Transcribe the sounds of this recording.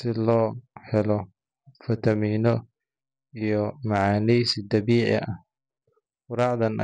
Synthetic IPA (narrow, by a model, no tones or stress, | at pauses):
sɪlɔːhɛlɔ | fɐt̪ʰɐmiːnɔ | ijɔmɐʕaːnɛjsid̪ɐβiːʕɪ̰ʔɐh | ʊɾɑʕðɐn̰